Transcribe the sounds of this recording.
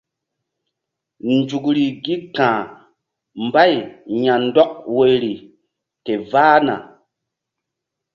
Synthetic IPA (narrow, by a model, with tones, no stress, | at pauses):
n˨d͡ʒu˨kɾi˨ɡi˦kãː˨ | mba˦jɲa˨n˦dɔ˦k̚we˨ɾi˨ | ke˨vaː˦na̰˨